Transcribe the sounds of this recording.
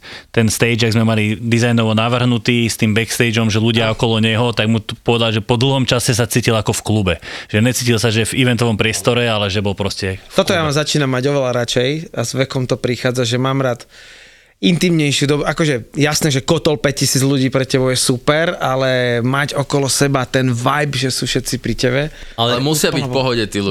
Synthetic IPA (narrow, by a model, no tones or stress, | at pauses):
t̪ɛnst̪ɛjd͡ʒaɡzmɛmalid̪izajnɔʋɔnaʋr̩ɦnut̪iːst̪iːmbɛkst̪ɛɪd͡ʒɔmʒɛluɟɪaɔkɔlɔɲɛɦɔt̪aɡmupɔʋɛd̪alʒɛpɔd̪l̩ˠɦɔmt͡ʃasɛs̬at͡siːcilakɔfklubɛʒ̥ɛɲɛt͡siːcilsaʒɛviʋɛnt̪ɔʋɔmpɾɪɛst̪ɔɾɛalɛʒɛbɔlpɾɔscɛt̪ɔt̪ɔjamazat͡ʃiːnamːaɟɔʋɛʎaɾat͡ʃɛjazʋɛkɔmt̪ɔpɾixaːd͡zaʒɛmaːmɾaːt̪ | int̪imɲɛjʃɪud̪ɔbuʔakɔʒɛjasnɛːʒɛkɔt̪ɔlpɛc̚cisiːd͡zʎuɟiːpɾɛcɛbɔʊjɛsupɛɾalɛmaɟɔkɔlɔsɛbat̪ɛnʋajbʒɛsuːfʃɛt̪t͡sipɾicɛbɛalɛɛmusɪabipɔɦɔɟɛt̪iːlu